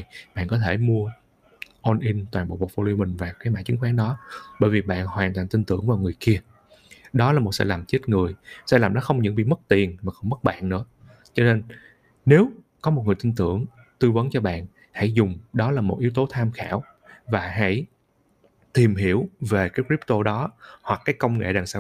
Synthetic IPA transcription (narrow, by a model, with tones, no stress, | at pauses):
ɓa̰ː˧˨nkɔ˨˦t̪ʰe˧˩mu˧ə | ʔɔ˧nʔi˧nt̪waː˨˩ɓo̰˧˨wɓo̰˨˩fo˧li˧mï˨˩ŋ̟vaː˨˩wkaː˨˦jma̰ː˧˥t͡ɕɨ˨˦ŋxwaː˨˦nɗɔ˨˦ɓə̰ː˧˥jvi˨˩ɓa̰ː˧˨nhwaː˨˩nt̪wa̰ː˧˨nt̪i˧ŋt̪ɨ̰˧˩əŋvaː˨˩wŋɨ˨˩əjki˧ə | ɗɔ˨˦laː˨˩mo˨˩t̚sɛ̰˧˥laː˨˩mt͡ɕe˦˥t̚ŋɨ˨˩əjsɛ̰˧˥laː˨˩mɗɔ˨˦xə˧wŋ͡mɲɨ̰˧˥ŋɓḭ˧˨mə˦˥t̚t̪i˨˩ənmaː˨˩xɔ˧ŋ͡mmə˦˥t̚ɓa̰ː˧˨nnɨ̰˧˥ə | t͡ɕɔ˧ne˧n | ne˨˦w | kɔ˨˦mo˨˩ŋɨ˨˩əjt̪i˧ŋt̪ɨ̰˧˩˨əŋ | t̪ɨ˧və˨˦nt͡ɕɔ˧ɓa̰ː˧˨n | ha̰˧˥˩jzʊ˨˩ŋ͡mɗɔ˨˦laː˨˩mo˨˩t̚ʔi˨˦wt̪o˨˦t̪ʰaː˧mxa̰ː˧˩w | vaː˨˩ɦa̰˧˥j | t̪i˨˩mɦi˧˩əwve˨˩kaː˨˦jkɹi˦˥p̚t̪o˧ɗɔ˨˦hwa˨˩kːaː˨˦jkə˧wŋ͡mŋḛ˧˨ɗaː˨˩ŋsaː˧˦w